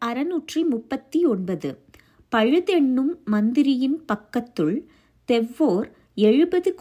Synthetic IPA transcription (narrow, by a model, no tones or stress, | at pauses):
ɐɾɐnuːʈrimʊpːɐt̪ːiɔɳbɐðɯ | pɐɻɯðɛɳːɯmːɐnd̪ɪɾɪjɪnpɐkːɐt̪ːɯɭ | t̪ɛʋːoːɾ | ɛɻɯbɐðɯk